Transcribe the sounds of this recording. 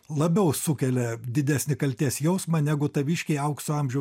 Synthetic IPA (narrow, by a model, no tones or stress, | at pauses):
lˠɐbʲɛʊsʊkʲɛlʲɛd̪ʲɪd̪ʲæsʲnʲɪkɐlʲt̪ʲeːsjɛʊsmɐnʲæɡʊt̪ɐʋʲiːʃʲkʲɛɪɐʊksʊɐmʲʒʲɛʊ